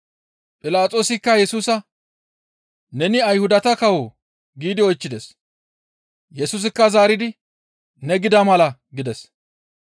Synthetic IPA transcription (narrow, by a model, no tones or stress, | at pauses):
pʼɪlaːt͡sʼo̞ːsɪkːɐjɛsuːsɐ | nɛnɪɐjhʊd̪ɐt̪ɐkɐwo | ɡiːd̪ɪɔjt͡ʃːɪd̪ɛs | jɛsuːs̬ɪkːɐzaːɾɪd̪ɪ | nɛɡɪd̪ɐmɐlɐ | ɡɪd̪ɛs